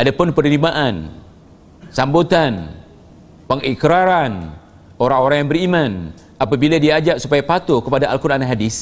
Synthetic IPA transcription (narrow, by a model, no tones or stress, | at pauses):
ʔadapʊnpərnimaʔan | sambot̪an | pəŋikɾaɾan | oɾaŋoɾaŋjaŋbəriman | apabiladiad͡ʒaʔsupajapat̪okəpadaʔalkuɾanaɦadis